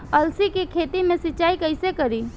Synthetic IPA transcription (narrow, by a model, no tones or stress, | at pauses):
əlsikekʰet̪imẽsiːt͡ʃaikəɪsekəɾi